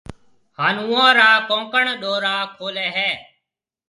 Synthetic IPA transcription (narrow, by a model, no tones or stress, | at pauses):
haːnũːãːɾaːkõːkəɳɗoːɾaːkʰoːlɛːɦɛː